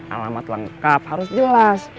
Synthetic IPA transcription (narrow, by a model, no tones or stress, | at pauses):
ʔa̰lamat̪ləŋkap̚haɾʊsd͡ʒəlas